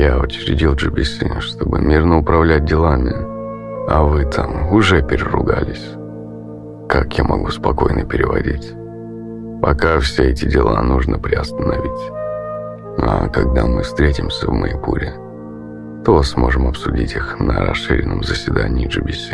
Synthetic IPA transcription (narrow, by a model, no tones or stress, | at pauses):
jaʊt͡ɕɪɾʲɪdʲilˠʐɨbʲɪsʲiʂt̪o̞bɨmʲirnəʊpɾɐvlʲæt̚ʲdʲɪlˠamʲɪ | ɐvɨt̪ʰamʊʐɛpʲɪɾʲɪrʊɡalʲɪsʲ | kakjamɐɡuspɐko̞jnəpʲɪɾʲɪvɐdʲitʲ | pɐkafsʲeɛtʲɪdʲɪlˠanuʐnəpɾʲɪɐst̪ənɐvʲitʲ | akɐɡ̚d̪amɨfst̪ɾʲetʲɪmsʲəvmə̰ɪpuɾʲɪ | t̪osmo̞ʐɨmɐpsʊdʲitʲixnəɾɐsʂɨɾʲɪnːəmzəsʲvʲɪd̪anʲɪːʐɨbʲɪsʲi